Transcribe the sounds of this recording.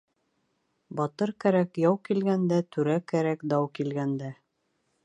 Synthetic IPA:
bɑt̪ɤɾkæɾækjɑwkilɡænd̪æt̪ʉɾækæɾækd̪ɑwkilɡænd̪æ

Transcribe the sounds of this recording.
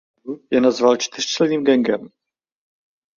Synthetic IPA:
ujɛnazvalt͡ʃt̪ɪr̥t͡ʃlɛniːmɡɛŋɡɛm

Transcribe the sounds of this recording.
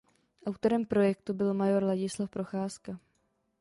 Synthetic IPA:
ʔawt̪o̞ɾɛmpɾo̞jɛkt̪ubɪlmajo̞ɾlaɟɪslafpɾo̞xaːska

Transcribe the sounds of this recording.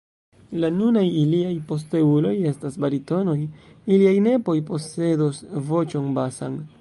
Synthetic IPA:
lanunajiliajpo̞s̬te̞ulo̞je̞stasbaɾito̞no̞jiliajne̞po̞jpo̞se̞dosvo̞t͡ʃo̞nbasa̰n

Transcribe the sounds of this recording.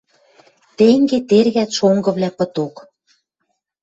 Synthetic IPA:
t̪eŋɡet̪erɣæt̪ʃoŋɡɤ̆βlʲæpɤ̆t̪ok

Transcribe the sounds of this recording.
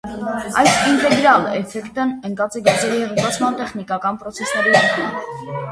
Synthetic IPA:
ɑjsint̪ɛɡɾɑlɛ̰fɛkt̪ənəŋkɑt͡sɛɡɔɾt͡sɛɾihɛʁəvvɑt͡sʰmɑnt̪ɛχnikɑkɑnpɾɔt͡sʰɛsnɛɾinɑnə̰

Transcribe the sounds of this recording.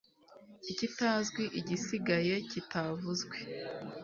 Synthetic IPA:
icitaːzɡwiʔiɟisiɡaje̞citavuzɡwe̞

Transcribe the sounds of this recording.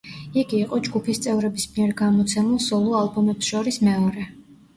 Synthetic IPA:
iɡiːqʼɔd͡ʒɡupʰist̪sʼɛvɾɛbismiɛɾɡamɔt̪sʰɛmulˠsɔlˠɔalˠbɔmɛpsʃɔɾismɛɔɾɛ

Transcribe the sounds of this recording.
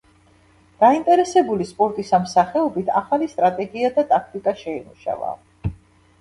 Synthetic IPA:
d̪̥aint̪ʼɛɾɛsɛbulispʼɔɾt̪ʼisamsaχɛɔbit̪ʰaχalist̪ʼɾat̪ʼɛɡiad̪at̪ʼakʰt̪ʼikʼaʃɛimuʃa̰va̰

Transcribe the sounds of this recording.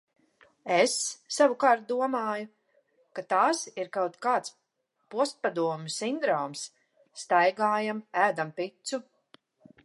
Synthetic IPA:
esːavukaːɾt̪̚d̪uɔmaːju | kat̪aːsiɾkawt̪kaːt̪s | puɔst̪̚pad̪uɔmʲusind̪ɾɔːmsː | t̪ajɡaːjamæːd̪ampit̪su

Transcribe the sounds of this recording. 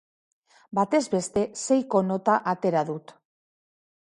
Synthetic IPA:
bat̪e̞zbe̞st̪e̞se̞jko̞no̞t̪aʔat̪e̞ɾaðut̪

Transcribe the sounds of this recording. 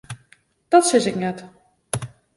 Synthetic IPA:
d̥ɔtsɪzɪknɛt

